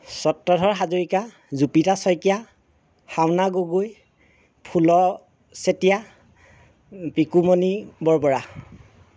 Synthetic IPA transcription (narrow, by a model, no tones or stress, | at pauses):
sɔtːɔdʱɔɹɦazoɹika | zupitasɔjkija | hawnaɡoɡoj | pʰulɔ | setija | pikumonibɔɹpɔɹa